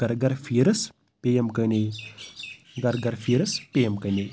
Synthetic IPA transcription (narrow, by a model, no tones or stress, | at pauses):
ɡɐɾɡɐɾfiːɾɐs | pejɐmkɐne | ɡɐɾɡɐɾfiːɾɐspejɐmkɐjne